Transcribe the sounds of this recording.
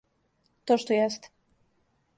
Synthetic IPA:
t̪ɔʂt̪ɔjɛst̪

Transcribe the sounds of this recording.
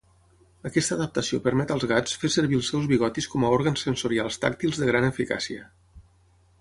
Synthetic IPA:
əkɛst̪əðəp̚t̪əsiopəɾmɛt̪əlˠzɣat͡sfesəɾβiəlˠsːɛwzβiɣɔt̪iskɔməoɾɣənsːənsuɾialˠst̪a̰k̚t̪ilˠzðəɣ̞ɾanəfika̰siə

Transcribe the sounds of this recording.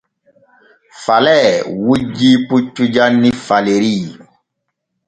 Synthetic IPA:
falɛwud͡ʒiput͡ʃud͡ʒanĩfaleɾi

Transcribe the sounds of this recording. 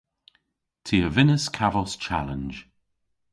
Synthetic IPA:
tʰiəvɪnəskʰavəlˠst͡ʃʰa̰lə̃nd͡ʒ

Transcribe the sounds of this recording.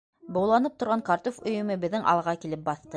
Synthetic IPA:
bŏwlˠɑnɤp̚t̪ŏɾʁɑŋkɑɾt̪ofɵ̆jɵ̆mɤbɘ̆ðːɘŋʔɑ̰lˠʁɑkilɘp̚bɑθt̪ɤ

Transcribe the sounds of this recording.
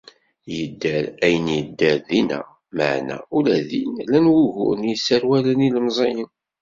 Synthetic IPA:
jəd̪ːæɾæjənjəd̪ːəɾðinæ̰ | ma̰ʕnæ̰ulæðinlænwuʝʊ̰ɾnjəsːəɾwælæniləmzˤɑjən

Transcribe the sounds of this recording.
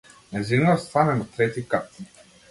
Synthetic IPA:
nɛzinəst̪anɛnat̪ɾɛt̪ikat̪̚

